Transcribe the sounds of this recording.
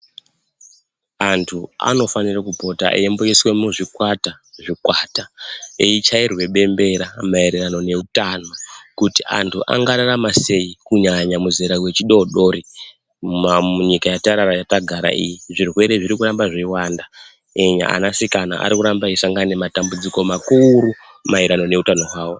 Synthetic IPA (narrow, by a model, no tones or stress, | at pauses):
antʰua̰no̞fanirakubʱo̞ta̰ʔḭembo̞jeswe̞muʐikwata | ʐikwataeit͡ʃairwe̞ɓe̞mbe̞ɾamaeɾerano̞ne̞utanakutiʔa̰ntʰuʔa̰ŋɡaɾaramase̞ikuɲaɲamuziɾawe̞t͡ʃiɗo̞ɗo̞ɾi | auɲikajataɾarajataɡʱaɾa̰ʔḭjiʐirwe̞ɾe̞ʐiɾikuɾambaʐeiwaːnda | eɲa̰ʔa̰nasikana̰ʔa̰ɾikuɾambaisaŋɡane̞matambud͡ziko̞makuɾu | maiɾano̞ne̞utano̞ɦwaːwo̞